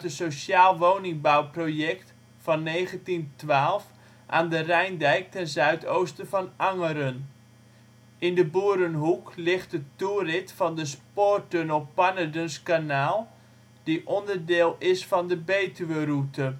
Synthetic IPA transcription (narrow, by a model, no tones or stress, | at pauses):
tənsowʃaːlˠʋownɪŋbawprojɛkt | fɑnːejχəntintʋaːlˠf | ʔaːndərɛjndɛjk̚tɛnzœɥtowstəvɑnɑŋəɾən | ɪndəbuːɾənɦuklɪχt̚dətuːrɪtfɑndəspoːrtønəlˠppanədənskanaːlˠ | d̥iʔɔndəɹdɪːlˠɪsfɑndəbejtyʋərutə